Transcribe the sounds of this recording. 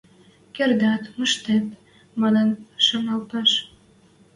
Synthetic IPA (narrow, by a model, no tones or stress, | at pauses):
kerd̪ɑt̪məʃt̪et̪ | mɑnənʃonɑlpɑʃ